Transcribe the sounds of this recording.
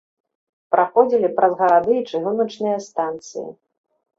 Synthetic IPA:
pɾaxɔd͡zʲilʲipɾɐzɣɐɾad̪ɨːt͡ʂɨɣunɐt͡ʂnɨjɐst̪ant̪sɨ̰jḭ

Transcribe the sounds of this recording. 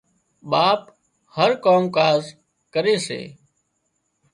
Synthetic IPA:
ɓaːp̚ | həɾkoːmkaːz | kəɾeːsḛː

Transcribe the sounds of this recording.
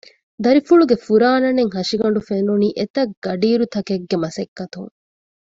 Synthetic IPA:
d̪ɐɾifuɭuɡefuɾaːnɐneŋɦɐʃiɡɐɳ̆ɖufenuniːʔet̪ɐɡɐɖiːɾut̪ɐkeɡːemɐsɐkːɐt̪ṵŋ

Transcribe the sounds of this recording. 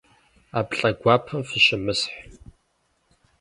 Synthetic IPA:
aːpɬʼɐɡʷaːpʰɐmfɨɕɪmɨsħ

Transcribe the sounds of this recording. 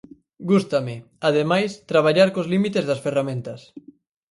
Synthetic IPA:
ɡust̪amɪ | aðemajst̪ɾaβ̞aʎaɾkozlimit̪ezðɐsferamẽnt̪ɐs

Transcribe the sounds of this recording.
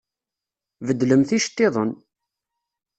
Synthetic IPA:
vəd̪ːləmθiʃt̪ːɪðˤən

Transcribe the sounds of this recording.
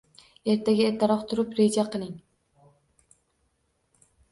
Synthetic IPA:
e̞ɾt̪ʰaɡʲaeɾt̪ʰɪɾɒqt̪ʰʊɾɪpɾe̞d͡ʒaqʰɨlˠɪŋ

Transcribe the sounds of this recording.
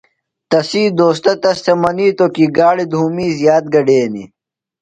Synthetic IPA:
t̪ɐsiːd̪oːst̪ɐt̪ɐst̪emɐniːt̪okiɡaːɽid̪ʱuːmiːzjaːt̪̚ɡɐɖeːnḭ

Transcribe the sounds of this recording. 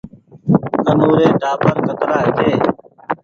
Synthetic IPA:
kənuːɾeːɖʱaːpəɾkət̪ɾaːɪd͡ʒeː

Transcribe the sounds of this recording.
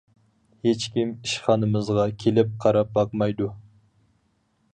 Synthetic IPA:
het͡ʃkʲimiʃχɑnɨmɨzʁɑkʲʰelɪp̚qʰɑɾɑp̚bɑqmɑjd̪u

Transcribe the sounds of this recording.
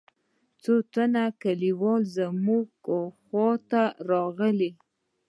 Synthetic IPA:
t͡sot̪anakaliwɑlzəmuɡxwɑt̪aɾɑɣəle

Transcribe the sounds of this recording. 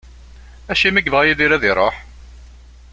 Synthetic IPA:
æʃimiɡvʁjiðiɾæðiɾˤoħ

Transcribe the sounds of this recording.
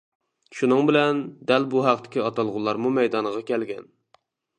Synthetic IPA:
ʃunɨŋbɪlɛnd̪ɛlbuɦæqt̪ɪ̥kʲiɑt̪ɑlˠʁʊlˠːɑɾmumɛjd̪ɑnʁɑkʲɛlɡʲɛn

